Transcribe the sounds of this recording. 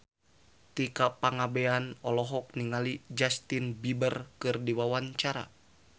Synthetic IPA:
t̪ikapaŋabɛanɔlɔɦɔk̚niŋalid͡ʒast̪inbibərkɨrdiwawaɲt͡ʃaɾa̰

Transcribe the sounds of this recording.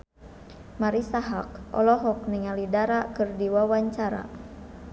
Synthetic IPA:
maɾisaɦak̚ʔɔ̰lɔɦɔk̚niŋalidaɾakɨrdiwawaɲt͡ʃaɾa̰

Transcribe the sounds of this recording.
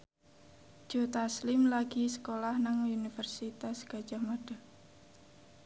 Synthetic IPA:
ʒ̥ot̪aslɪmlaɡ̥isə̥kolahnaŋunifərsit̪asɡ̥a̤̥d͡ʒahmaɖ̥a̤

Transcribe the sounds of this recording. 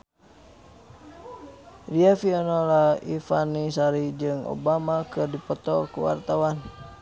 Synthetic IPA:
riafiɔnɔlaifanisaɾid͡ʒɨŋo̰bamakɨrdipɔt̪ɔkṵwa̰rt̪awan

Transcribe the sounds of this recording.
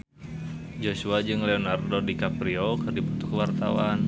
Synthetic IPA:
d͡ʒosuad͡ʒɨŋlɛɔnardodikapɾiokɨrdibut̪u̥kəwart̪a̰wan

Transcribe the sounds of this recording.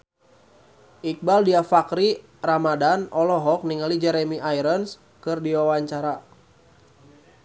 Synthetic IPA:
ʔik̚baldiafakɾi | ramadanɔlɔɦɔk̚niŋalid͡ʒɛɾɛmiʔaiɾəns | kɨrdiwawaɲt͡ʃaɾa

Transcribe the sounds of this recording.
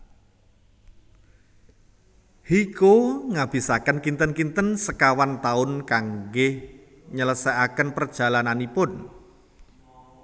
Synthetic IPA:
hikoŋab̥i̤sakənkint̪ənkint̪ənsəkawant̪aʊnkaŋɡɪh | ɲələsɛʔakənpərd̥ʒ̥a̤lananipʊn

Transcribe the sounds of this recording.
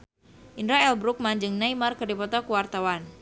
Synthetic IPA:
ʔindɾaɛlbɾuk̚mand͡ʒɨŋnaimarkərdipɔt̪ɔkuwart̪awan

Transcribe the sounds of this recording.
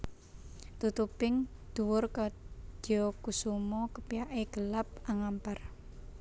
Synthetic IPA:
t̪ut̪upɪŋ | d̪̥uwʊrkad̪̥ɔkusumɔkəpijaʔeɡ̥əlap̚ʔaŋampar

